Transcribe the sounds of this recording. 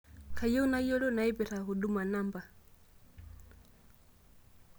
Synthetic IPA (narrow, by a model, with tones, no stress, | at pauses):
kʰa˨jɔ˦u˦na˦jɔ˦lɔ˦na˨i˦bɛ˨ɾa˨ɦu˨ɗu˦ma˨na˦mba˨